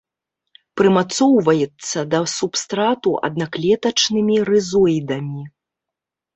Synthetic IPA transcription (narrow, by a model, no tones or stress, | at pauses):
pɾɨmat̪sɔwvɐjɛt̪sːɐd̪ɐsupst̪ɾat̪uʔɐ̰d̪̚naklʲɛt̪ɐt͡ʂnɨmʲiɾɨzɔjd̪ɐmʲi